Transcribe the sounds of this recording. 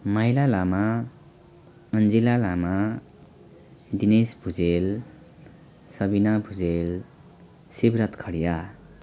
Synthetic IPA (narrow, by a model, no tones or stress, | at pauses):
mʌjlalama | ʌnd͡zilalama | d̪inesbʱud͡zel | sʌbinabʱud͡zel | sibɾʌt̪kʰʌɽija